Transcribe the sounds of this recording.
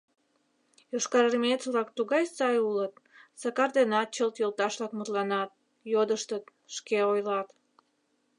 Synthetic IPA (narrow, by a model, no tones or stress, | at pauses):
joʃkɑɾərmet̪t͡sβlɑk̚t̪uɣɑjsɑjulət̪ | sɑkɑrd̪enɑt̪̚t͡ɕəlt̪jolt̪ɑʃlɑkmət̪lɑnɑt̪̚ | jod̪əʃt̪ət̪ | ʃkeojlɑt̪